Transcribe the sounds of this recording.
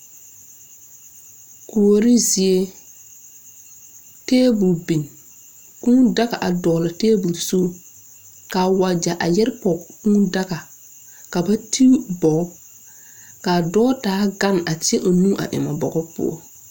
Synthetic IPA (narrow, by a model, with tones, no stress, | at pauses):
ku˨o˨ɾi˦zi˨e˦ | teː˦bu˨lbi˨n | kũ˦da˦ɣa˨ʔa˨dɔː˨la˨teː˦bu˨lso˦˨ | ka˨wa˨d͡ʒa˨ʔa̰˨jɛ˦ɾpɔ˨kũ˦da˦ɣa˨ | ka˨ba˦tʰi˦bɔ˨˦ | ka˨dɔː˦taː˨˦ɡa˦˨na˨tɪ˦e˦ʔo˨nũ˦ʔa̰˨ʔɪ̰˨ma˨bɔ̰˨ɡɔ˦pʊ̰˦ɔ̰˦